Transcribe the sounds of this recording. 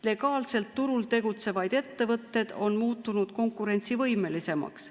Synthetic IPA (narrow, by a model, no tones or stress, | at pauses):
le̞ɡ̥ɑːlse̞lt̪ːuɾult̪e̞ɡ̥ut̪se̞vɑjd̪̥e̞t̪ːe̞vɤt̪ːe̞d̪̥o̞nmuːt̪ːˑunud̪̥ko̞ŋkuɾe̞nʲt̪sivɤjme̞lise̞mɑ̰ks